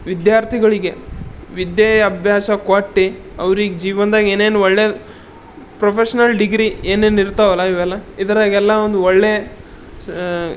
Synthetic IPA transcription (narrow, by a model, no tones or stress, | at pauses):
ʋid̪jaːɾt̪ʰiɡɐɭiɡe̞ʋid̪jejɐbʱjaːʃɐkʋaːʈːi | ɐ̰ʋɾiːɡd͡ʒiːʋɐnd̪aːɡeːneːnuɔɭːeː | pɾopʰeʃɐnɐlɖiɡɾieːneːniɾt̪aʋɐlɐiʋɛlːɐid̪ɐɾaːɡɛlːɐond̪uɔɭːe